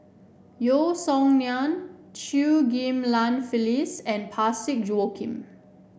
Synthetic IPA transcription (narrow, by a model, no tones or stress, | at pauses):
josɔ̃ŋniãnt͡ʃuɡĩmlãnfilisɛ̃npʰasik̚d͡ʒuokʰḭ̃m